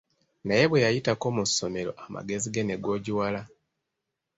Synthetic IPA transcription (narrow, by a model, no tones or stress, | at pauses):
naje̞βwe̞jajitako̞ːmuso̞me̞ɾo̞̰ʔama̰ɡe̞ziɡeneɡo̞ːɟiwala